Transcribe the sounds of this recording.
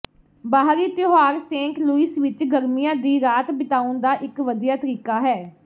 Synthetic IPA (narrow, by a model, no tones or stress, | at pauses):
baːɦɾiːt̪joɦaːɾsẽːŋkluiːsʋɪt͡ʃɡəɾmijãːd̪iːɾaːt̪bɪt̪aːʊnd̪aːʔɪkʋəd̪ijaːt̪əɾiːkaːɦɛː